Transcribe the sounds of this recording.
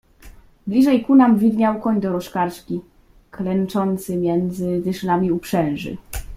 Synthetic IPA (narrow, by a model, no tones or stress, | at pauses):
blʲiʐɛjkunamvʲid̪ɲawkɔɲd̪ɔɾɔʂkaɾʂkʲi | klɛnt͡ʂɔnt̪sɘmʲjɛnd̪zɘd̪ɘʂlamʲiupʂɛw̃ʐɘ̰